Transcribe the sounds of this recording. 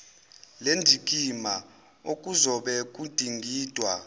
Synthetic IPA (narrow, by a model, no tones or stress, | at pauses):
lendʱik̬ʼima | ok̬ʼuzɔɓɛk̬ʼud̥ʱiŋɡʱiːd̥ʱwa